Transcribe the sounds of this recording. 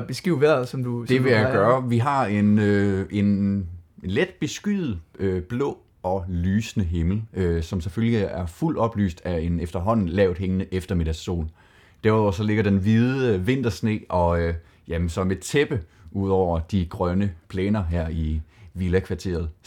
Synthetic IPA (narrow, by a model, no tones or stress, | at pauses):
b̥esɡ̥ʁiʊʋæɐ̰sɒmd̥ud̥e̝ʋejaɡ̥ɶːɐʋiɦɑ̈e̝nøʔe̝n | led̥̚b̥e̝sɡ̥yð̩ˠøb̥lɔ̰̽ː | ɒ̽lyːsnəɦe̝ml̩øsɒ̽msefølliæɐful̰d̥ɒ̽b̥ly̰ːsd̥æe̝nefd̥ɐɦɒ̽n̰n̩lɛʊd̥ˠɦeŋnəʔefd̥ɐme̝ɾ̥æɐsːo̝̰ːl | d̥æɐɐsɒ̽le̝ɡ̥ɐd̥enʋið̞ˠəəʋe̝n̰d̥ɐsne̝̰ːʔɒ̽ø | jæmənsɒ̽me̝̥t͡sʰeb̥əʔuð̞̰ˠɒʊ̰ɐd̥iɡ̥ʁɶnəpʰlɛːnɐɦæɐ̰iʋilækʰʋɑ̈t͡sʰe̝̰ːɐð̩ˠ